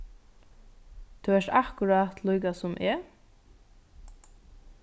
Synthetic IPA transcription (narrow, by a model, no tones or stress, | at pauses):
t̪ʰyːɛʂt̪ahkʊɾat̪lujkasʊmʔɛ